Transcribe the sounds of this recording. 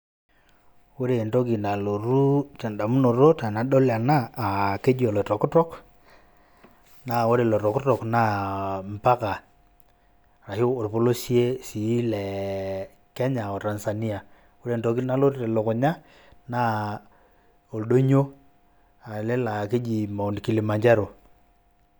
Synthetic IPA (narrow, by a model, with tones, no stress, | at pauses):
o˦ɾe˨nto˦ki˨na˨lo˨ɾu˦tɛ˨nda˨mu˦no˨ɾo˦ta˨na˨ɗo˦la˨naː˦˨ke˦d͡ʒi˦o˨lo˨tɔ˨ku˦tɔ˦k | na˨o˦ɾe˨lo˨ɾo˨ku˦tɔ˨kna˦m̩˨pa˦ka˨ | ɾa˨hi˦o˨ɾpo˦lo˦si˦e˦si˨˦lɛ˨ | kɛ˦ɲa˨o˨ta˨nsa˨ni˦a˨ | o˦ɾe˨nto˨k̬i˦na˦lo˦te˨lo˨ko˨ɲa˦ | na˦ | o˨lɗo˦ɲo˦ | a˨le˦la˨ke˦d͡ʒi˨mo˨n˨ki˦li˨ma˨ɲd͡ʒa˦ɾo˨